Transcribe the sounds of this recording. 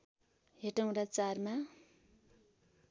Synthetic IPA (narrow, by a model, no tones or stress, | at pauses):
ɦeʈaw̃ɾat͡sarma